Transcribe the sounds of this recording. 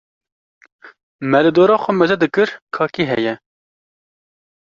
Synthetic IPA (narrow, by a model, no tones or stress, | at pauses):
mɛɾɨd̪oːɾɑːxʷɛmɛzɛd̪ɨkɨɾkʰɑːkiːɦɛ̰jɛ